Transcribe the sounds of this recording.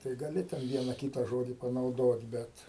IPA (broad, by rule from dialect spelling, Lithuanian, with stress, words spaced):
tɐɪ ɡɐˈlʲɪ tʲɛn ˈʋʲiɛnɐ ˈkʲiːtɐ ˈʒoːdʲɪ pɐnɐʊˈdoːt ˈbʲɛt